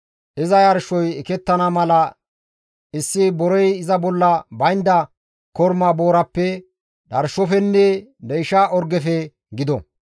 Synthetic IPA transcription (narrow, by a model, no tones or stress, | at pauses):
ʔɪzɐjɐɾʃɔjɛkɛt̪ːɐnɐmɐlɐ | ɪsːɪbɔɾɔjɪzɐbɔlːɐbɐjnd̪ɐ | kɔɾmaboːɾɐpːɛ | ᶑɐɾʃɔfɛnːɛd̪ɛjʃaːʔɔɾɡɛfɛ | ɡɪd̪ɔ̰